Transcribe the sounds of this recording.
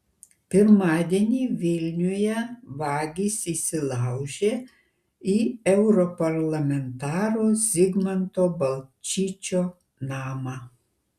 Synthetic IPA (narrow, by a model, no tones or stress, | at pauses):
pʲɪɾmɑːd̪ʲiɛnʲiːʋʲɪlʲnʲʊjɛʋɑːɡʲiːsisʲɪlˠɑˑʊʒʲeː | iɛʊɾɔpɐɾlˠɐmʲɛnt̪ɑːɾoːzʲɪɡmɐnt̪oːbɐlʲˠt͡ʃʲiːt͡ʃʲoː | nɑːmɑː